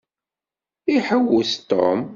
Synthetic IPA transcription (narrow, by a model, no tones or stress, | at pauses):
iħəwʊθt̪ɔ̰m